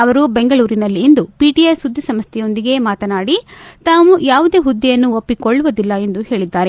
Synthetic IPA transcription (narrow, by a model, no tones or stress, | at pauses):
ɐʋɐɾubeŋɡɐɭuːɾinɐlːiːnd̪upiːʈijɐjsud̪ʱːisɐmst̪ʰɛjo̞nd̪iɡe̞maːt̪ɐnaːɽit̪aːʋujaːʋud̪e̞ːɦud̪ːijɐnːuopːikoɭːuʋɐd̪ilːɐe̞nd̪uhe̞ːɭid̪ːaːɾe̞